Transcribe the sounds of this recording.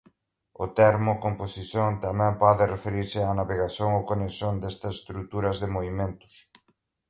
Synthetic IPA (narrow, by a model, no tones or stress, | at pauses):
ʊ̰t̪ɛɾmʊkomposiθjoŋt̪amɛ̃mpɔðɪrefeɾiɾsɪanaβeɣaθjoŋowkonesond̪est̪ɐsest̪ɾut̪uɾɐzðemoβimẽnt̪ʊ̥s